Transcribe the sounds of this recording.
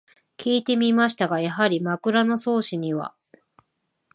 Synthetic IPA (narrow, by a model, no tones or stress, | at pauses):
kʲiːt̪e̞mʲimaɕi̥t̪aɡajaɦaɾʲimakɯ̟ɾano̞so̞ːɕiɲ̟iβa̰